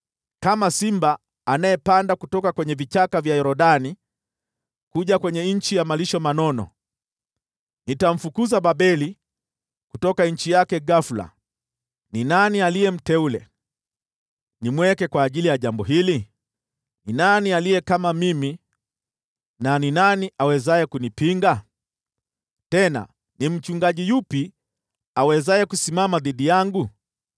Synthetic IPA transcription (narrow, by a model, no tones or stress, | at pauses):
kamasimbaː | najɛpandakutɔkakwɛɲɛvit͡ʃakavjahɛɾɔɗani | kuʄakwɛɲɛɲ̩t͡ʃijamaliʃɔmanɔnɔ̰ | nitam̩fukuzaɓaɓɛli | kutɔkaɲ̩t͡ʃijakɛɡafula̰ | ninanialijɛm̩tɛulɛ̰ | nimwɛkɛkwaːʄilijaʄambɔɦili | ninanialijɛkamamimi | naninaniʔawɛzajɛkunipiŋɡa | tɛna̰ | nim̩t͡ʃuŋɡaʄijupi | awɛzaɛkusimamaðiɗijaŋɡu